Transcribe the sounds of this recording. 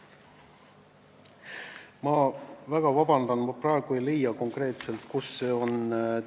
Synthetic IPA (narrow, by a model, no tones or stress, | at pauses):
mɑvæɡ̥ɑvɑbɑnd̪̥ɑnmɑprɑeɡ̥uejlejɑko̞ŋkre̞ːt̪se̞lt̪kusːe̞ːo̞n